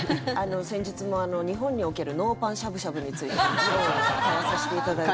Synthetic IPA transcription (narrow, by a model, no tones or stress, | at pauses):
ano̞sẽ̞ɲ̟d͡ʑit͡sɨmo̞ano̞ɲ̟iɦõ̞ɲ̟ːio̞ke̞ɾɯ̟no̞ːpãɰ̃ɕabɯ̟ɕabɯ̟ɲ̟it͡sɨit̪ed͡ʑijõkaɾasaɕi̥t̪eit̪ad̪ai